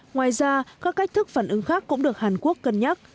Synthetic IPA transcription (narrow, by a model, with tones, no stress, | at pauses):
ŋwaː˨˩jzaː˧kaː˦˥kːa˦˥jk̚t̪ʰɨ˦˥k̚faː˧˩nʔɨ˨˧ŋxaː˦˥kːʊ̰˧˥ŋ͡mɗɨ˨˩ək̚haː˨˩nku˦˥əkːə˧˩nɲa˦˥t̚